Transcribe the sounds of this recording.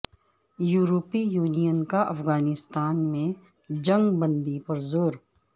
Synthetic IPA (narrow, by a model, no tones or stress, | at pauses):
juːɾoːpijuːnijənkaɐfɣaːnɪst̪aːnmẽ | d͡ʒɐ̃ŋɡbə̃nd̪ipɐɾzoːɾ